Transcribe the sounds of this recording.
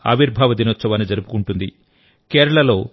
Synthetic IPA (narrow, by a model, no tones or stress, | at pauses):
ɐ̰ʋiɾbʱaːʋɐd̪inɔt͡ʃːɐʋaːnid͡ʒɐɾupu̥kuɳʈund̪i | keːɾɐɭɐlo̞ː